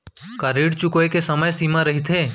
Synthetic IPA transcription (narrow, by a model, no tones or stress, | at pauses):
kaɾiɽt͡ʃukoekesəməjsiːmaɾɐɦit̪ʰeː